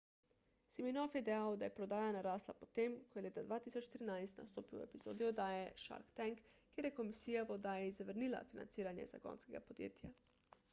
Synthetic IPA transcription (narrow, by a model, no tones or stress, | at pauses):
siminɔfjɛd̪ɛjawd̪ajɛpɾɔd̪aːjanaɾaːsla̰pɔt̪emkɔjɛleːt̪ad̪ʋaːt̪isɔt͡ʃt̪ɾinajst̪na̰st̪oːpiwɛ̰pizo̰ːd̪iɔd̪aːjɛʃa̰ɾkt̪ɛŋkkːeːɾjɛkomisiːjaʋɔd̪aːjɛizaʋəɾnila̰fina̰nsiːɾanjɛ̰za̰ɡɔ̰nskɛɡapod̪jḛːt̪ja